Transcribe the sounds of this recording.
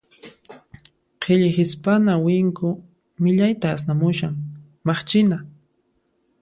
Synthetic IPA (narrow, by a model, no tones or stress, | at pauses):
qʰeʎɪxɪspanawɪŋkʊ | mɪʎajt̪aːsnamʊʃaŋ | mɑχt͡ʃɪna